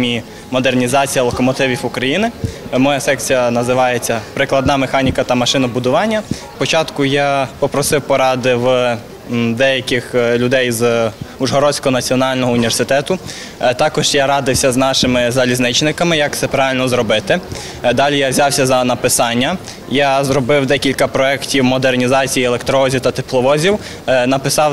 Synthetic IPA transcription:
mʲi | mɔd̪ernʲizɑt͡sʲijɐlˠɔkɔmɔt̪ɪʋʲiwʊkɾɐjinɪmɔjasɛkt͡sʲijɐnɐzɪʋɑjet͡sʲːɐpɾɪklˠɐd̪nɑmexɑnʲikɐt̪ɐmɐʃɪnɐbʊd̪ʊʋɑnʲːɐspɔt͡ʃɑt̪kʊjapɔpɾɔsɪwpɔɾɑd̪ɪw | d̪ɛjɐkʲɪxlʲʊd̪ɛjzuʒɦɔɾɔsʲkɔɔnɐt͡sʲiɔnɑlʲnɔɦɔʊnʲiʋʲersɪt̪ɛt̪ʊ | t̪ɑkɔʒ̥jaɾɑd̪ɪwsʲɐznɑʃɪmɪzɐlʲiznɪt͡ʃnɪkɐmɪjɐk̚t̪sɛpɾɑʋɪlʲnɔzɾɔbɪt̪ɪ | d̪ɑlʲijawzʲɑwsʲɐzɐnɐpɪsɑnʲːɐ | jazɾɔbɪwd̪ɛkʲilʲkɐpɾɔɛktʲiwmɔd̪ernʲizɑt͡sʲijielˠekt̪ɾɔɔzʲiwt̪ɐt̪ɪplˠɔʋɔzʲiw | nɐpɪsɑw

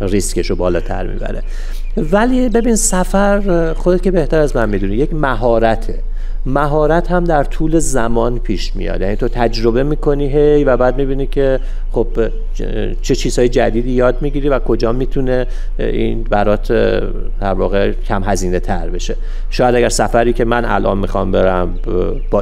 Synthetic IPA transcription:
riskeʃobɒːlɒːt̪ʰæ̰ɾmḭːbæ̰ɾḛ | vælibe̞binsæfæɾxod̪ekʲce̞be̞ht̪ʰæɾæzmænmid̪unije̞cmæɦɒːɾæt̪ʰe̞ | mæɦɒːɾæt̪hæmd̪æɾt̪ʰuːle̞zæmɒnpʰiːʃmḭjɒ̰d̪jænit̪o̞t̪ʰæd͡ʒɾo̞be̞miːkʰo̞niːɦe̞jvæbæːd̪̚mibiːnikʰe̞ | χob̥ | t͡ʃʰet͡ʃʰiːz̥hɒːjed͡ʒæd̪iːd̪iːjɒːd̪miɟiːɾivækʰo̞d͡ʒɒːmiːt̪ʰune̞ | inbæɾɒːt̪ʰ | d̪̥æɾvɒ̰ːɣe̞cʲʰæmɦæziːne̞t̪ʰæɾbe̞ʃe̞ | ʃɒːjæd̪æɡæɾsæfæɾiːcʰe̞mænʔæ̰lʔɒ̰ːnmixɒmbe̞ɾæm | b̥ɒ

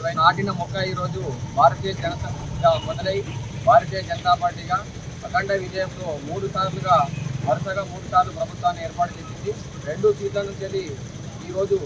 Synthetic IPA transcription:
ʋɐjnɐaːʈinɐmɔkːɐiːɾo̞ːd͡ʒubʱaːɾɐt̪ijɐd͡ʒɐnɐsɐɡaːmɔd̪ɐlejibʱaːɾɐt̪̬iːjɐd͡ʒɐnɐt̪aːpaːɾʈiɡaː | ɐkɐɳʈeʋid͡ʒɐjɐmt̪o̞ːmuːɽusaːɾuluɡaːʋɐɾɐsɐɡaːmuːɽusaːɾlupɾɐbʱut̪ʋaːnːieːɾpaːʈut͡ʃe̞ːsind̪i | ɾe̞ɳɖusiːʈlɐnut͡ʃeːlːi | iːɾo̞ːd͡ʒu

